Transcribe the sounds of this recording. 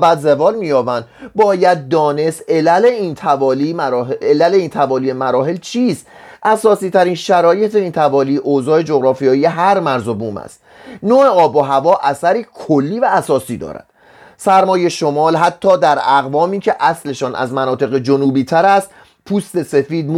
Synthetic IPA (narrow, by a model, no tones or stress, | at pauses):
bæd̪zevɒːlmiːjɒːbænd̪bɒːjæd̪̚ːɒːne̞st̪elæleiːnt̪ʰævɒːliːelæle̞iːnt̪ʰævɒːliːemæɾɒːɦe̞lt͡ʃʰiːst̪ʔæsɒːsiːt̪ʰæɾiːnʃæɾɒːje̞t̪ʰeiːnt̪ʰævɒːliːʔozɒːe̞d͡ʒoɣɾɒːfijɒːijeɦæɾmæɾzobuːmæ̰st̪ | noeɒːboɦævɒːʔæsæɾiːkʰolːiːvæːsɒːsiːd̪ɒ̰ːɾæ̰d̪̥ | sæɾmɒːje̞ʃo̞mɒːlɦæt̪ʰːɒːd̪æɾæɣvɒːmiːcʰe̞ʔæsle̞ʃɒːnʔæ̰zmænɒːt̪ʰe̞ɣe̞d͡ʒonuːbiːt̪ʰæɾæst̪ | pʰuːst̪e̞se̞fiːd̪̚m